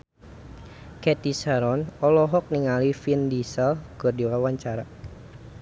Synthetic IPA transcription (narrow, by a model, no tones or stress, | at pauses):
kɛt̪isaɾɔnɔlɔɦɔk̚niŋalifindisɛlɡ̥ɔrdiwawaɲt͡ʃaɾa